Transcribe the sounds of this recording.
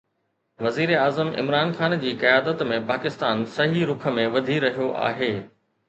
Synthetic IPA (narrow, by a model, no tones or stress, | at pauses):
ʋɐziːɾeaːzəmɪ̰mɾaːnxaːnd͡ʑiːkɐjaːd̪ət̪mẽpaːkɪst̪aːnsɐɦiɾʊkʰə̆mẽʋɐd̪ʱiɾɐɦijoʔa̰ːɦeː